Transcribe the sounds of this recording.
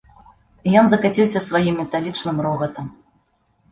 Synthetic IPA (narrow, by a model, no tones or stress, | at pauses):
ijɔnzɐkat͡sʲiwsʲɐsvajimːʲɛt̪alʲit͡ʂnɨmɾɔɣɐt̪ɐm